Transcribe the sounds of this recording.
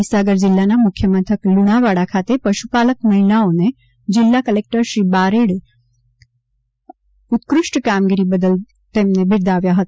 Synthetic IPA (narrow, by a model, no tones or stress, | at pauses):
isaɡəɾd͡ʑilːanːamukʰjəmənt̪ʰəkluɽ̃aʋaɽakʰat̪epəɕupaləkməɦilaone | d͡ʑilːakəlek̚ʈəɾɕiːbaɾeɽe | ut̪kɾuʂʈkamɡiɾiːbəd̪əl | t̪emnebʱiɾd̪aʋjaɦət̪a